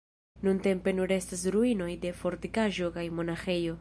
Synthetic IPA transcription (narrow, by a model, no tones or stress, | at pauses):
nunte̞mpe̞nuɾe̞stas̬ɾuino̞jde̞fo̞ɾtikaʒo̞kajmo̞naxe̞jo̞